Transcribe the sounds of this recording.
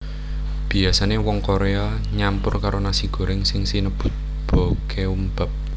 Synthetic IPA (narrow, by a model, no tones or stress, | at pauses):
b̥iasanewɔŋkoɾea | ɲampʊrkaɾonasiɡ̥ɔ̤ɾɪŋsɪŋsinəb̥ʊ̤t̪̚ | b̥ɔ̤keumb̥a̤p̚